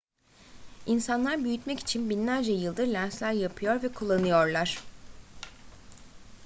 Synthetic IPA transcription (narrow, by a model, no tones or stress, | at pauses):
insanlˠaɾbyjyt̪mɛci̥t͡ʃʰinbinlʲæɾd͡ʒɛjɯlˠd̪ɯɾlʲænslʲæɾjapʰɯjo̞ɾvɛkʰulˠːanɯjo̞ɾlˠaɾ̝̥